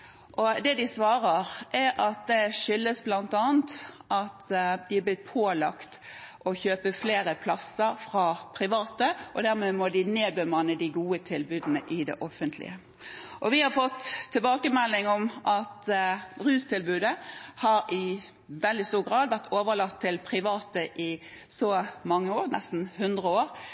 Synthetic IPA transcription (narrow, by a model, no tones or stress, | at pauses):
ʔɔd̪ɛd̪ɪsʋɑːʁəʁʔɛʔɑt̪̚d̪ɛʂʏlːəsblɑnt̪ɑːənt̪ʔɑt̪d̪ɪæblɪt̪̚pʰoːlɑ̰kt̪ʔɔçøːpəfleːɾəpʰlɑsːəɾfʁɑpʰɾɪʋɑːt̪əʔɔd̪æʁmɛmɔd̪ɪneːbəmɑnəd̪ɪɡuːət̪ʰɪlbʉːd̪nəʔɪd̪ɛ̰ʔɔfənt̪ʰlɪ̰ə | ʔɔʋɪhɑʁfɔt̪ʰːɪlbɑːkəmɛlːɪŋɔmʔɑt̪ʁʉːst̪ʰɪlbʉːd̪əhɑɾɪ | ʋɛld̪ɪst̪uːʁɡʁɑːd̪ʋæʁt̪ʰoːʋəʁlɑkt̪ʰːɪlpʰʁɪʋɑːt̪əʔɪ | sɔmɑŋːəoːʁnɛ̰st̪n̩hʉnd̪ʁəoːʁ